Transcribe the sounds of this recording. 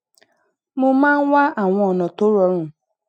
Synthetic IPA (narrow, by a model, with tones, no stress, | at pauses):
mo˦mã˦ŋ̩˦wa˦ʔa˨ŋʷɔ̃˨ɔ˨nɔ̃˨to˦ɾɔ˨˦ɾũ˨